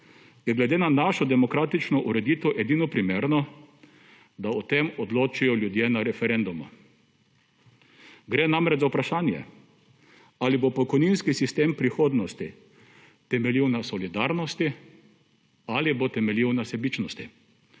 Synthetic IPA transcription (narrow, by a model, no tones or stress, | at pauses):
jɛɡlɛd̪eːnanaʃɔd̪ɛmɔkɾaːt̪it͡ʃnɔʔuɾɛd̪it̪ʋɔʔɛd̪iːnɔpɾimeːɾnɔ | d̪aɔt̪emɔd̪loːt͡ʃijɔljud̪jenaɾɛfɛɾɛnd̪umɔ̰ | ɡɾɛnamɾɛt͡ʃzaupɾaʃaːnjɛ̰ | alibopɔkɔjninskisist̪eːmpɾixoːd̪nɔst̪i | t̪ɛmɛliwnasɔlid̪aɾnɔst̪i | alibot̪ɛmɛliwnasɛbit͡ʃnɔst̪ḭ